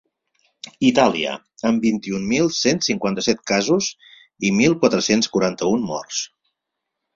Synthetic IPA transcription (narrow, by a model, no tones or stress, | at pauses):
it̪aliə̰ | əmbint̪iummilˠsensiŋkwant̪əsɛt̪̚kazuz | imilˠkwat̪ɾəsenskuɾant̪əummɔ̰rs